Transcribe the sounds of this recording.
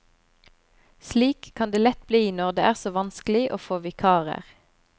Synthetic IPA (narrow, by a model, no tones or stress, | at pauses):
sliːkʰːɑnd̪eːlɛt̪bliːiːnɔʁd̪eːʔæːʁsoːʋɑnsklɪʔoːfoːʋɪkʰɑːʁə̰ʁ